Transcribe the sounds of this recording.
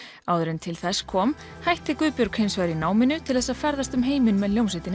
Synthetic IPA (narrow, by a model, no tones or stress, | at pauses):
aːwðʏɾɪnt̪ʰɪlθɛsːkʰɔːm | hajht̪ʰːɛkʏːpjʏɾkhejnsvajɾinaːwmɪnːʏt̪ʰɪlθɛsːafɛɾðast̪ʏmɦeːjmɪnmɛðljowmsɪjt̪ɪn